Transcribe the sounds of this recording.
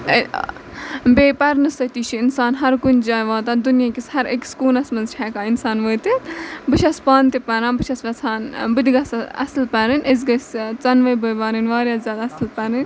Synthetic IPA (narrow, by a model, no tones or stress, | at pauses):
beːpɐɾnɨsɐt̪iːt͡ʃʰiinsaːnɦɐɾkund͡ʒaːjʋaːt̪ad̪unjakʲishɐɾekskuːlɐsmɐnzt͡ʃʰɛːkaːinsaːnʋəːt̪it̪bɨt͡ʃʰɐspaːnt̪ipɐɾãːbɨʃʰɐsʋɐt͡sʰaːnbɨd̪ʲiɡɐsɐ̰slpɐɾɨnez̬ɡɐst͡sɐnʋɐbəjbaːɾɨnʋaːɾjaːszʲjaːd̪aːslpɐɾɨn